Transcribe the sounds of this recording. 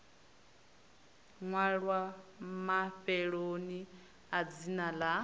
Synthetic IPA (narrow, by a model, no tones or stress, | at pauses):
ŋwaɺwamaɸɛɺoni | ad͡zinala